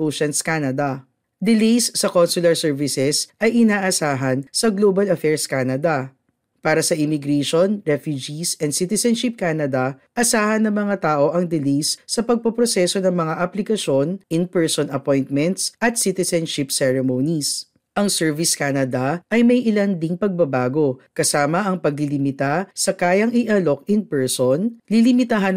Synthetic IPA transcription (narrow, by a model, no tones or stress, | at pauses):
oʃɐnskanɐd̪ɐ | d̪ɪlejsːɐkonsʊlɐɹsɛɹvɪsɛsʔɐjʔɪnaːʔɐsaːɦɐnsɐɡloːbɐlɐfɛɹskanɐd̪ɐ | paːɾɐsɐʔɪmɪɡɾɛʃonɹɛfjud͡ʒisʔɛ̃nsit̪ɛsɛnʃɪp̚kaːnɐd̪ɐʔɐsaːhɐnːɐŋmɐŋat̪aːʔo̞ʔɐŋd̪ɪlejsːɐpɐɡ̚pɐpɾosɛso̞nɐŋmɐŋaʔɐplɪkɐʃo̞nɪnpɛɹsonɐpojnt̪̚mɛnt̪sʔɐt̪̚sit̪ɛsɛnʃɪpsɛɹɛmownis | ʔɐŋsɛɹvɪskanɐd̪ɐʔɐjmɐjʔɪlɐnd̪iŋpɐɡ̚bɐbaːɡo̞kɐsaːmɐʔɐŋpɐɡ̚lɪlɪmɪt̪asɐkaːjɐŋɪʔɐlo̞kɪnpɛɹsonlilɪmɪt̪aɦɐn